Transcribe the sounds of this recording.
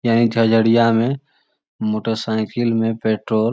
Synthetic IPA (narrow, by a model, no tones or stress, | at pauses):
jaːnit̪ʰjəd͡ʒʱəɽijamẽ | moːʈəɾsaɪkʰɪlmẽpeːʈɾoːl